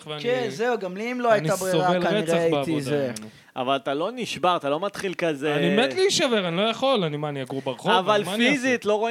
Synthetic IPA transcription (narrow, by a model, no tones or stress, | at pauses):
veakenzeuɡamliːmloajiniabʁioʁavelkaneiʁeaaieavioze | a̰valat̪aloniʃbaʁat̪alo̞mat̪χilkazeanimet̪liiʃaveʁanilojaχo̞lanimaniaɡuʁbaʁχoavalfizit̪lo̞ʁo